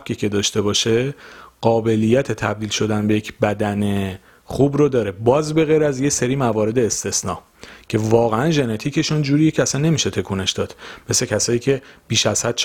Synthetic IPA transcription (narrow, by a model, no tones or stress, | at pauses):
cʰiːcʰe̞d̪ɒːʃt̪e̞bɒːʃe̞ɢ̥ɒːbe̞lijːæt̪ʰe̞t̪ʰæb̚d̪iːlʃo̞d̪ænbe̞jecʰbæd̪æne̞ | χuːbɾod̪ɒːɾe̞bɒːzbe̞ɣejɾæzjeseɾiːmævɒːɾe̞d̪eːst̪e̞snɒ̰ː | cʰe̞vɒːɣeænʒe̞net̪ʰiːcʰe̞ʃond͡ʒuːɾijecʰeæsænːe̞miːʃe̞t̪ʰe̞kʰuːne̞ʃd̪̥ɒːd̪̥me̞secʰæsɒːjiːcʰe̞b̥iːʃæz̥hæd̪̥̚t͡ʃʰ